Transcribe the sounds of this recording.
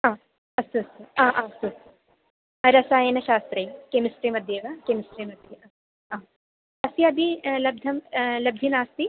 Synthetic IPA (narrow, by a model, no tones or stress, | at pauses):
ãː | ɐst̪uɐst̪uãːʔãːɐst̪us | ɾɐsaːjenɐʃaːst̪ɾɐjikemisʈɾemɐd̪ʱjeʋaːkemɪsʈɾemɐd̪ʱjeɐ | ãː | ɐsiɐd̪ʱilɐb̚d̪ʱɐmlɐb̚d̪ʱinaːst̪i